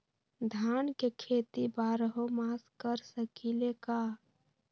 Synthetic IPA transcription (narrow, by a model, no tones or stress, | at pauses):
d̪ʱankekʰet̪ibaɾəɦomaskəɾsəkileka